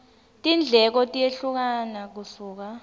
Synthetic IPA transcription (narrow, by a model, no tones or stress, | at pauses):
tʼind͡ɮʱɛk̬ɔtʼijeɬuk̬anak̬usuːk̬a